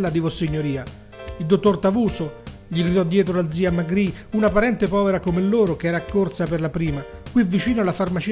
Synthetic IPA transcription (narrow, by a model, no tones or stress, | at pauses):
lːad̪ivosːiɲːoɾiːa | ild̪ot̪ːort̪avuːso | ʎiɡɾid̪ɔd̪ːjɛːt̪ɾolad̪ziːamaɡɾiunapaɾɛnt̪epɔːveɾakomelːoːɾokeɛːɾaːkːort̪saperlapɾiːma | kwivːit͡ʃiːnoalːafarmat͡ʃi